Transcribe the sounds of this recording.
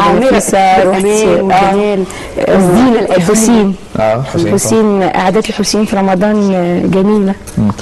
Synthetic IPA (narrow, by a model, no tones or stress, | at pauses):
aesæɾˤæːl | zd̪iːnlelħosiːnː | ħosiːnʔa̰ʕad̪æːt̪elħosjiːnfiɾˤɑmɑd̪ˤɑːnɡæmiːlæ